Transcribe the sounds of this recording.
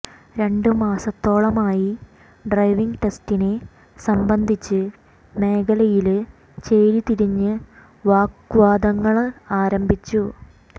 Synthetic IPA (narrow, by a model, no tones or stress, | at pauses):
ɾe̞ɳɖɨmaːsɐt̪ːo̞ːɭɐmaːji | ɖrɐjʋiŋɡʈe̞stine | sɐmbɐnd̪ʱit͡ɕːɨ | me̞ːɡɐlɐjil | t͡ɕeːɾit̪iɾiɲːɨ | ʋaːkʋaːd̪ɐŋːɐɭaːɾɐmbʱit͡ɕːu